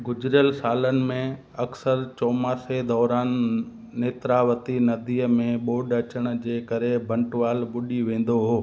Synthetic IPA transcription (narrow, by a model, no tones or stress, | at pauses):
ɡʊd͡ʑɾjəlsaːlənɪ̆mẽ | ɐksəɾt͡ɕɔːmaːsed̪ɔːɾaːnː | eːt̪ɾaːʋət̪inɐd̪iːəmẽɓoːɖɐt͡ɕəɽ̃ʊ̆d͡ʑeːkəɾebʱɐ̃ɳʈʋaːlɓʊɗiʋẽːn̆d̪oɦoː